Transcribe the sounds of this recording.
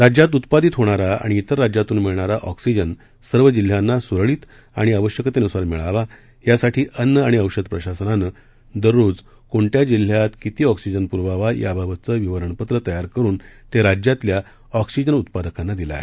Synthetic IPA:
ɾad͡ʑjat̪̬ut̪pad̪it̪ɦoɽ̃aɾaa̰ɽ̃iːt̪əɾːad͡ʑjat̪uːnmiɭɳaɾaʔɔksid͡ʑən | səɾʋəd͡ʑil̤janːasuɾɭiːt̪ | aɽ̃iəʋəɕjəkt̪enusaɾmiɭaʋa | jasaʈʰiːʔənːəaɽ̃iəwɕəd̪pɾəɕasənanə | d̪əɾːoːd͡z | koɳʈjad͡ʑil̤jat̪kit̪iːɔksid͡ʑənpuɾʋaʋaja̰bʱabət̪t͡səʋiʋəɾəɳpət̪ɾət̪əjaɾkəɾuːnt̪eɾad͡ʑjat̪lja | ɔksid͡ʑənut̪̚pad̪əkanːad̪ila̰ɦe

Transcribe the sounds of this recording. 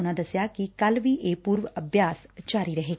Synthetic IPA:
ñad̪əsjakikalʋiːʔepuːɾʋəəbʱjast͡ɕaɾiːɾəɦek

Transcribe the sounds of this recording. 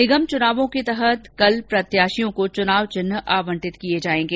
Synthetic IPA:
nɪɡəmt͡ʃʊnaːʋõket̪ɐɦət̪kɐlpɾɐt̪jaːʃijõkot͡ʃʊnaːʋt͡ʃʊnɦʔaːʋə̃ɳʈɪt̪kied͡ʒaːẽːŋɡeː

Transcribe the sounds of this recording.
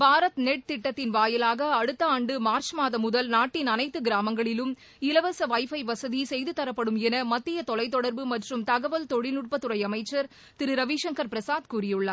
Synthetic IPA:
bʱaːɾɐt̪nɛʈ̚t̪ɪʈːɐt̪ːɪnʋaːjɐlaːɣɐːɽɯt̪ːɐaːɳɖɯmaːɾt͡ʃmaːðɐmʊðɐlnaːʈːɪnɐnɐɪt̪ːɯɡɪɾaːmɐŋɡɐɭɪlɯm | ɪlɐʋɐsɐʋɐɪfɐɪʋɐsɐðisɛjðɯt̪ːɐɾɐpːɐɽɯmɛnɐmɐt̪ːɪjɐt̪ɔlɐɪt̪̬ːɔɽɐɾbɯmɐʈrɯmt̪ɐɣɐʋɐlt̪ɔɻɪlʊʈ̚pɐt̪ːɯɾɐɪɐmɐɪt͡ʃːɐɾ | t̪ɪɾɯɾɐʋiːʂɐŋkɐɾpɪɾɐsaːðkuːrɪjɯɭːɐ

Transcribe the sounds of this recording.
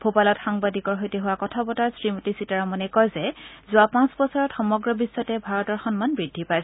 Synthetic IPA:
b̥ʰʱopalɔtxaŋbadikɔɹɦojtɛɦʊwakɔtʰabɔtaɹsɹimutisitaɹɔmɔnɛkɔjzɛzʊapãsbɔsɔɹɔtxɔmɔɡɹɔbisːɔtɛbʱaɹɔtɔɹxɔnmanbɹidʱːipajs

